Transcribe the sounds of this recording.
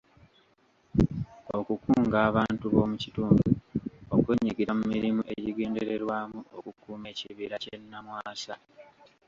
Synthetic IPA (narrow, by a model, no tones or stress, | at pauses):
okukuːŋɡaːβaːntuβo̞ːmucituːmbuokweɲiɡiɾamumiɾimuʔe̞ɟiɡe̞ːndeɾe̞ɾwaːmuo̰kukuːme̞ːciβiɾacenːamwaːsa